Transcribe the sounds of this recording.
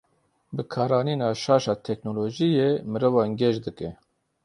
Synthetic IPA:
bɨkʰɑːɾɑːniːnɑːʃɑːʃɑːt̪ʰɛknoloːʒijeːmɨɾovɑːŋɡɛʃd̪ɨkɛ

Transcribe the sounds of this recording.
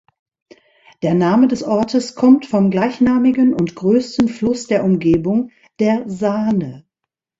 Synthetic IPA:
d̥eːɐnaːmədɛsʔɔɐtʰəskʰɔmtfɔmɡlaɪçnaːmɪɡənʊntɡ̥ʁøːstən̩flʊsd̥eːɐʔʊmɡeːbʊŋ | d̥eːɐzaːnə

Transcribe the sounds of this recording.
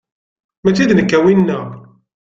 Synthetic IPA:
mæt͡sːiðnəkːæwinːæ

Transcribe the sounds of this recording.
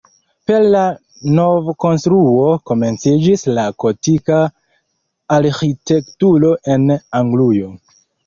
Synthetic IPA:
pe̞ɾla | no̞vko̞nstɾuo̞ko̞me̞nt͡sid͡ʒislako̞tikaː | ɾxite̞ktuɾo̞ʔe̞naŋɡlujo̞

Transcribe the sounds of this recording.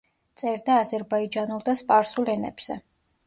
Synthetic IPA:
t̪sʼɛɾd̪aːzɛɾbaid͡ʒanulˠd̪aspʼaɾsulˠɛnɛ̰b̥z̥ɛ

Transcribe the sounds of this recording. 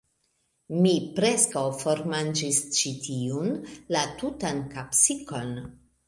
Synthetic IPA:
mipɾeskawfoɾmand͡ʒist͡ʃitʰiunlatutankapsiko̞n

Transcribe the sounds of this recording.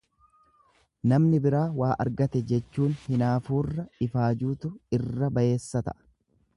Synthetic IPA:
nɐmnɪbɪɾaːwaːʔɐ̰ɾɡɐt̪ɛd͡ʒɛt͡ʃːuːnhɪnaːfuːrːɐɪfaːd͡ʒuːt̪ʊɪrːɐbɐʔe̞ːsːɐt̪ɐ̰

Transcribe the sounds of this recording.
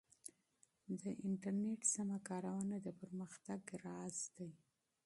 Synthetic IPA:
d̪əʔɪɳʈaɾneʈsamakɑɾawanad̪əpəɾməxt̪aɡɾɑzd̪aj

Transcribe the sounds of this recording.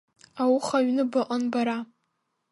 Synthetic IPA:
awχaɥnɨbɨqʼanbaɾa

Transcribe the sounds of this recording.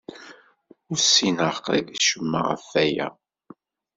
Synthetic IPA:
ʊɾsinəʁqiðiʃəmːə̰ʁə̰fːæjæ̰

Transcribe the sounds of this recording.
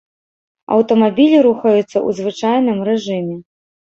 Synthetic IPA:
ɐ̰wt̪ɐmabʲilʲiɾuxɐjut̪sːɐʔṵzvɨt͡ʂajnɨmrɛʐɨmʲɛ

